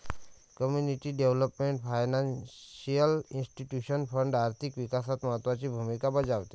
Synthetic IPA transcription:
kɔmjuniʈiɖeʋləpmẽɳʈpʰajnansijəlinsʈiʈjuʃənpʰəɳɖaɾt̪ʰikʋikasat̪məɦət̪wat͡ʃibʱumikabəd͡ʒawt̪e

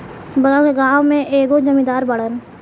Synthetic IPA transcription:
bəɡaːʋmẽʔeːɡod͡ʒəmĩd̪aːɾbəɽən

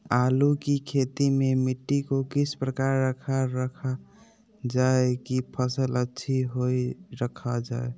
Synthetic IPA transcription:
alukikʰet̪imemiʈːikokisʰpɾəkaɾːəkʰaɾːəkʰa | d͡ʒaekipʰəsələtːʃʰiɦoiɾəkʰad͡ʒa̰e

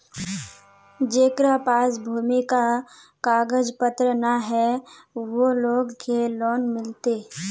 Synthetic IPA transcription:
d͡ʒeːkɾapaːs̬bʱuːmikakaːɡəd͡ʒpət̪ɾənaɦɛʋoloːɡkelɔːnmɪlt̪eː

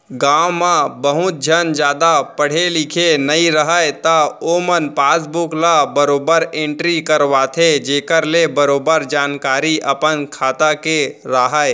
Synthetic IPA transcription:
ɡãːwmãbəɦʊt̪̚d͡ʒʱənd͡ʒjaːd̪apəɽ̤elɪkʰenəĩɾəɦəjt̪aoːmənpaːsbʊklabəɾoːbəɾẽɳʈɾikəɾʋaːt̪ʰed͡ʒeːkəɾlebəɾoːbəɾd͡ʒaːnkaːɾiʔɐpənkʰaːt̪akeɾaːɦəe

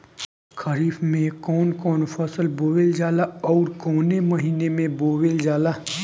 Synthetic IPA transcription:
kʰəɾiːfmẽkɔːnkɔːnfʰɐsəlboːʋeld͡ʒaːlaɔːɾkɔːneməɦiːnemẽboːʋeld͡ʒaːlaː

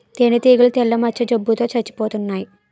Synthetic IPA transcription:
t̪enɐt̪iːɡuɭt̪ɛlːɐmɐt͡ʃʰːɐd͡ʒɐbːut̪o̞ːt͡ʃɐt͡ʃːi̥poːt̪unːaːji

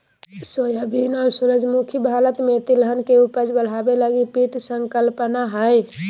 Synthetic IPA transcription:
sojabʱinɔːɾsuɾəd͡ʒmukʰibʱalət̪met̪ilɦənkeupəd͡ʒbəl̤abeləɡipiʈsəŋkəlpənaɦəj

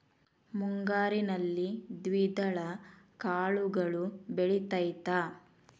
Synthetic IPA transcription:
muŋɡaːɾinɐlːid̪ʋid̪ɐɭɐkaːɭuɡɐɭubeɭit̪ɐjt̪aː

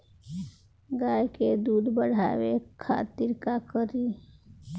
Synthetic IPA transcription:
ɡajked̪ud̪bəɽ̤a̰ʋekʰa̰t̪iɾkakəɾi

